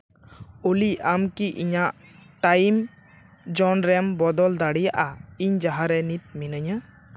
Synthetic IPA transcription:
uliamkiʔḭɲaʔʈajm | d͡ʒɔnɾɛmbɔd̪ɔld̪aɽijaʔaiɲd͡ʒaɦaɾɛnit̪̚minəɲə

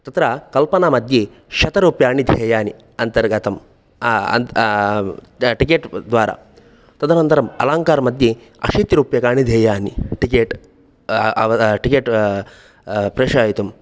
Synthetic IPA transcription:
t̪ɐt̪ɾɐkɐlpɐnaːmɐd̪ʱji | ʃɐt̪ɐɾuːpjaːɳid̪ʱeːjaːni | ɐnt̪ɐɾɡɐt̪ɐm | ɐ̰n | ʈikeːʈd̪ʋaːɾa̰ | t̪ɐd̪ʱɐnɐnt̪ɐɾɐmɐ̰laːŋkaːɾmɐd̪ʱji | ɐ̰ʃiːt̪iɾuːpjɐkaːɳid̪ʱeːjaːnḭʈikeːʈ | ɐʋɐʈikeːʈ | pɾeːʂɐjit̪um

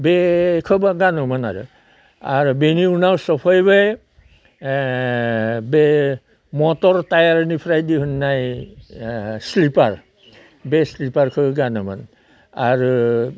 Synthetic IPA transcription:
bekʰɔbaɡanɔmanaɹṵ | aɹbeniunawsɔpʰɔjbaj | be | mɔtɔɹtajaɹnipʰɾajdiɦunːaj | slipaɹ | beslipaɹkʰɔbɡanɔma̰n | aɹu

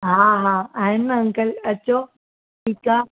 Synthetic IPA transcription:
ɦaːɦãːaːɦɪnːə̃ŋkəlɐt͡ɕoː | ʈʰiːkaː

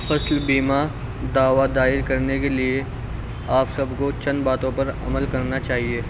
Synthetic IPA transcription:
fɐslbiːma | d̪aːʋad̪aːɪɾkɐɾnekelie | aːpsɐbkot͡ʃɐ̃nbaːt̪õpɐɾɐ̰məlkɐɾnat͡ʃaːɦieː

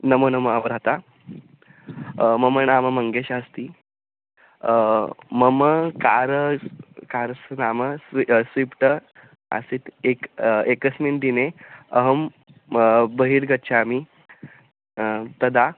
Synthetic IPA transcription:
nəmənəməabɾat̪a | məməɳaməməŋɡeɕast̪iː | məməkaɾ | kaɾsnaməsisʋipʈə | a̰sit̪ekekəsmind̪ineəɦəm | bəɦiːɾɡətːt͡ɕʰaːmi | t̪əd̪a

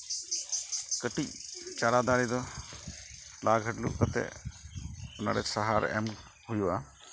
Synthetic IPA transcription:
kəʈic̚t͡ʃaɽad̪aɽid̪ɔ | laɡʱəʈlṵʔkat̪ɛ̰ | ɔna̰ɽɛ̰saɦaɾɛ̰m | hujuʔa

